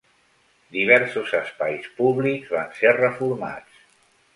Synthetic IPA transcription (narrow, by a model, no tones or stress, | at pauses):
d̪iβ̞ɛɾsuzəspajspuβlikzβanserəfuɾma̰t͡s